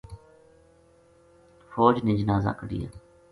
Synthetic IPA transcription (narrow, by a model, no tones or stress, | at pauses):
foːd͡ʒnɪ̃d͡ʒnaːza̰ːkəɽḭja̰ː